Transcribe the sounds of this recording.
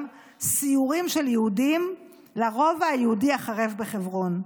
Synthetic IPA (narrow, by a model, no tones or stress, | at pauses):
m | siuʁimʃe̞ljehudim | laʁo̞vajeudiaχaʁevbeχevʁo̞n